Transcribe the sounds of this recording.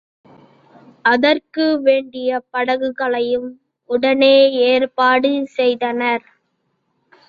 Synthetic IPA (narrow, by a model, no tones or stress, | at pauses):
ɐðɐrkɯʋeːɳɖɪjɐpɐɽɐɣɯɣɐɭɐjɯm | ʊɽɐneːeːrpaːɽɯsɛjðɐnɐɾ